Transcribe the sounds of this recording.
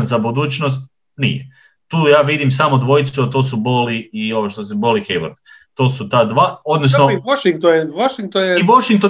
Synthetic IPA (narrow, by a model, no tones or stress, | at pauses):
nzabud̪uːt͡ʃno̞s̬t̪̚ | nḭje | t̪uːjaːʋid̪imsaːmod̪ʋo̞jit̪suat̪osuboliioʋoʃt̪osebolixejʋo̰ɾd̪t̪o̞ːsut̪aːd̪ʋaːo̞d̪nosnooʃiŋkt̪ojʋoʃiŋk̚t̪onjeiʋoʃiŋk̚t̪o